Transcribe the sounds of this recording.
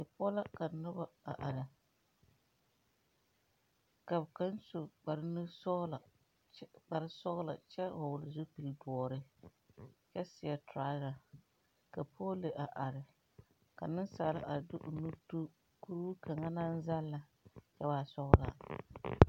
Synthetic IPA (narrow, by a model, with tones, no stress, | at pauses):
ɪ˨pɔ˦la˦ka˨nʊ˦ba˦a̰˨ʔa˨ɾɪ˨ | ka˨bka˦n˦sʊ˨k͡pa˨ɾɪ˦nɨ˦sɔ˦ɣla˨ | k͡pa˨ɾɪ˦sɔ˦ɣla̰˨t͡ʃɛ˦hʊ˨wʊ˨lɪ˨zʊ˦pi˨ldɔː˨ɾɪ˦ | t͡ʃɛ˦sɪ˨a˨tɾa˦la˨ | ka˨pʰoː˦le˨ʔa˨ʔa˨ɾɪ˨ | ka˨nɨ˦nsaː˨la̰˦ʔa˨ɾdʊ˦ʔʊ˨nu˦tu˦ | ku˦ɾu˦ka˨ŋa˦na˦n̩˦za˦lːa˦ | t͡ʃɛ˦baː˦sɔ˦ɣla̰˨